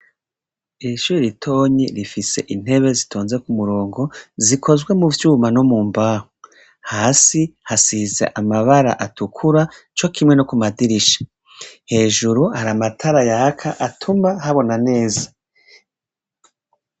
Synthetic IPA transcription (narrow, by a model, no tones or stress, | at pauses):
iʃuːiɾitʰo̞ːɲiɾifise̞̰ʔin̥he̞βe̞zitʰoːnzekumuɾo̞ːŋɡo̞zikʰo̞zɡwe̞muvjuːmanomuːmbaːho | haːsihasizḛʔamaβaɾa̰ʔatukʰuɾa | t͡ʃo̞kʰimŋe̞no̞kumadiɾiʃḁ | he̞ːʒuɾuhaɾamatʰaɾajakʰaʔatʰumahaβo̞nane̞ːzḁ